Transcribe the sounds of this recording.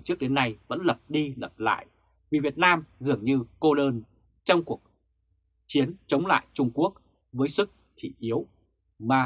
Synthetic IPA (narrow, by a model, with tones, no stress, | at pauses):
t͡ɕɨ˦˥ək̚ɗe˨˦nːa˧jvə̰˧˥nlə˨˩p̚ɗi˧lə˨˩p̚la̰ː˧˨j | vi˨˩vi˨˩ət̚naː˧mzɨ˨˩əŋɲɨ˧ko˧ɗəː˧n | t͡ɕɔ˧wŋ͡mku˨˩ək̚ | t͡ɕi˨˦ənt͡ɕə˨˦wŋ͡mla̰ː˧˨jt͡ɕʊ˧ŋ͡mku˦˥ək̚ | vəː˨˦jsɨ˦˥k̚t̪ʰi˧˩ʔi˨˦əw | maː˨˩